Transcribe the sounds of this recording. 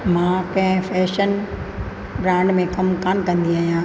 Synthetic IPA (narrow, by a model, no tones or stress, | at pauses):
mãkɐ̃ɦɪ̃fɛːʃən | bɾãːɳɖmẽkɐmkaːnkɐ̃nd̪iaːɦijãː